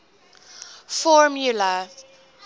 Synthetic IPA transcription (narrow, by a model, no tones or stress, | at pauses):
fɔɹmjula